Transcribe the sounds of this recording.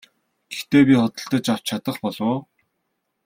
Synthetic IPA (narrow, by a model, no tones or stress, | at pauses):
ɡ̥e̥xt̪eːpʲiχɔt̪ɞ̆ɬt̪ə̆t͡ɕaw̥t͡ɕʰat̪ə̆χpɔɮʊː